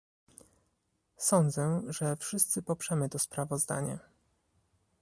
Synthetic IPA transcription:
sɔnd̪zɛʐɛfʂɘst̪sɘpɔpʂɛmɘt̪ɔspɾavɔzd̪a̰ɲɛ̰

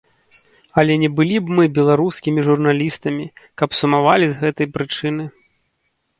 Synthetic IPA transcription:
ɐlʲɛnʲɛbɨlʲibmɨbʲɛlˠaɾuskʲimʲiʐurnalʲist̪ɐmʲikɐpsumavalʲizɣɛt̪ɐjpɾɨt͡ʂɨnɨ

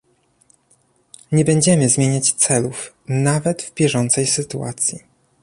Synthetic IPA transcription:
ɲɛbɛɲd͡ʑɛmɘzmʲjeɲat͡ɕt̪sɛluf | navɛd̪vbʲjɛʐɔnt̪sɛjsɘt̪ua̰t̪sʲji

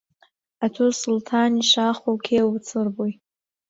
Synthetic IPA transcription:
atʰusultʰaniʂaχowkʲʰewt͡sʰɨrboj

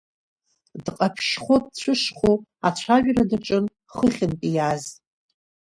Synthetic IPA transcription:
dqʼapʰʃχʷodt͡ɕʷʰʊʂχoat͡ɕʷʰaʒᶣradaʈ͡ʂʼɨn | χəχʲɪnpʼijaz

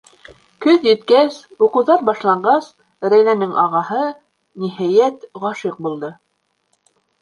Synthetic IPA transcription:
kɵðjɘ̆t̪̚kæsuqɤ̆wðɑɾbɑʃlˠɑɴɢɑs | ɾæjnænɘŋʔɑʁɑɦɤ | nihæjæt̪ʁɑʃiq̚bulˠd̪ɤ

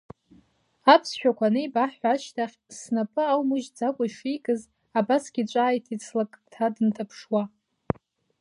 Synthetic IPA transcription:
apʰsʃᶣakʷanɨjbaħħʷaʃtʰaχʲsnapʼɨawmɨʒd͡zakʷʼaʂikʼɨz | abasɡʲit͡ʃʷʼaːjtʰit͡sʰlakʼtʰadɨntʰapʰʂwa

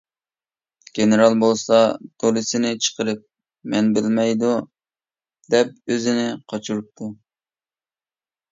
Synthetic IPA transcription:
ɡ̥ʲenɨɾɑlˠbolˠsɑd̪̥olˠɨsɪnɪt͡ʃʰə̥qʰəɾɨp̚ | mɛnbɪlmɛjd̪u | d̪̥ɛp̚øzɪnɪqʰɑt͡ʃʰuɾup̚t̪ʰu

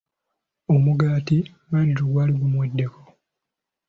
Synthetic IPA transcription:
omuɡaːti | βadiɾoɡwaːliɡumwedːe̞ko̥

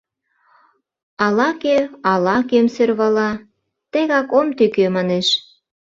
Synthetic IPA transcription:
ɑlɑkeɑlɑkemserβɑlɑ | t̪ĕɣɑkomt̪ykømɑneʃ

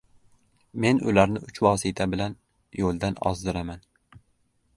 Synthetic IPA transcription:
me̞nʊlaɾnɪʔʊt͡ʃvɒːsɪt̪ʰabɪlan | jolˠd̪anɒ̰zd̪ɪɾaman

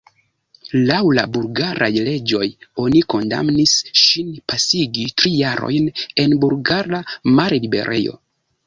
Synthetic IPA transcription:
lawla̰bulɡaɾʔajle̞d͡ʒo̞jo̞niko̞nda̰mnisʃinpasiɡitɾijaɾo̞̰jne̞nbulɡaɾamaɾlibe̞̰ɾʔe̞̰jo̞̰

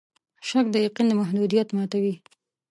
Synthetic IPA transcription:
ʃak̚d̪əjaqind̪əmaɦd̪ud̪ijat̪mɑt̪awi

